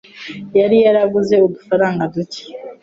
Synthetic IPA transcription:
jaɾijaɾaɡuze̞odufaɾaːŋɡaduci̥

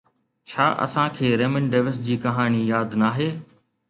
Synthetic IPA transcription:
t͡ɕʰaːʔɐ̰sãkʰeːɾeːməɳɖeːʋɪsd͡ʑiːkɐɦaːnijaːd̪naːɦeː

